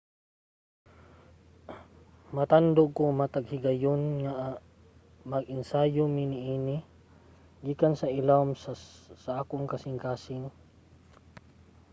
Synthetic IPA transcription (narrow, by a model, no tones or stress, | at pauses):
mat̪and̪okomat̪aɡhɪɡajonŋaʔ | mɐɡɪnsaːjʊmɪnɪʔiːnɪ | ɡiːkansɐʔɪlamssaʔaːkʊŋkasɪŋkaːsɪŋ